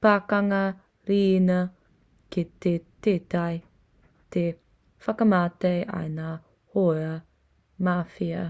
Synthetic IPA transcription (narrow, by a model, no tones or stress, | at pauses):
paːkɐŋɐ | ɾiːnɐ | kitetetaj | te | fɐkəmaːtejʔa̰jna | hoɐ | mafiɐ